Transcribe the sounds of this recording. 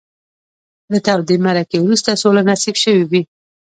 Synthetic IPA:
d̪ət̪awd̪imaɾakewɾust̪asolanasikʃəwiwi

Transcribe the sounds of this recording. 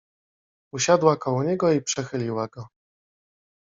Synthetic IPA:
uɕad̪wakɔwɔɲɛɡɔipʂɛxɘlʲiwaɡɔ

